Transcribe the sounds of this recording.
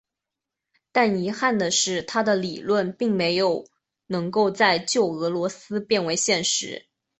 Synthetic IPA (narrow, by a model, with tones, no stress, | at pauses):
t̪a˥˩ni˧˥xa˥˩nd̪ə˩ʂɻ̩˥˩t̪ʰa˥d̪ə˨li˨˩lwə˥˧npi˥˩ŋme˧˥ɪjo˨˩˦ʊ | nɤ˧˥ŋko˥˧ʊt͡sa˥˧ɪt͡ɕjo˥˩ʊɤ˧˥lwɔ˧˥sɹ̩˥pjɛ˥˩nwe˧˥ɪɕjɛ˥˩nʂɻ̩̰˧˥